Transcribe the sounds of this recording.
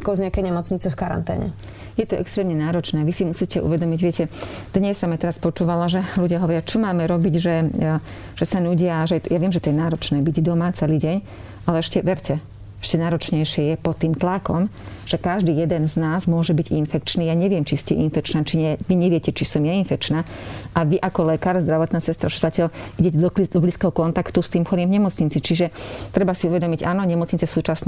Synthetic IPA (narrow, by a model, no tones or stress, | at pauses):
kɔzɲɛakɛjɲɛmɔt͡sɲit͡sɛfkaɾa̰nt̪ɛ̰ːɲɛ̰ | jɛt̪ɔʔɛ̰kst̪ɾɛːmɲɛnaːɾɔt͡ʃnɛːʋisimusiːcɛṵʋɛd̪ɔmiɟʋɪɛcɛd̪̥ɲɛsːamat̪ɛɾaspɔt͡ʃuːʋalaʒɛluɟɪaɦɔʋɔɾɪat͡ʃɔmaːmɛɾɔbiɟʒɛ | ʒ̥ɛsanuɟɪaʒɛjaʋɪɛmʒɛt̪ɔjɛnaːɾɔt͡ʃnɛːbiɟd̪ɔmat͡sɛliːɟɛɲ | alɛɛʃcɛʋɛɾcɛ | ɛʃcɛnaːɾɔt͡ʃɲɛjʃɪɛjɛpɔt̪ːiːmt̪lakɔm | ʒ̥ɛkaʒd̪iːjɛd̪ɛnznaːzmʊɔʒɛbiɟinfɛkt͡ʃniːjaɲɛʋɪɛmt͡ʃiscɛʔinfɛk̚t͡ʃnaːt͡ʃiɲɛʋiɲɛʋɪɛcɛt͡ʃisɔmjainfɛk̚t͡ʃnaː | ʔaʋiʔakɔlɛkaːɾzd̪ɾaʋɔt̪naːsɛst̪ɾaʃacɛʎiɟɛcɛd̪ɔd̪ɔbliːskɛɦɔkɔnt̪akt̪ust̪iːmxɔɾɪɛmvɲɛmɔt͡sɲit͡sit͡ʃiʒɛt̪ɾɛbasiuʋɛd̪ɔmiɟaːnɔɲɛmɔt͡sɲit͡sɛfsuːt͡ʃasn